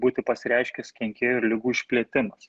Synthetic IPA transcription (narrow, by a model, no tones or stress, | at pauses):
buːt̪ʲɪpɐsʲɪɾʲɛɪʃʲkʲɛskʲɛŋʲkʲeːjoɪɾlʲɪɡuːɪʃʲpʲlʲiɛt̪ʲɪmɐs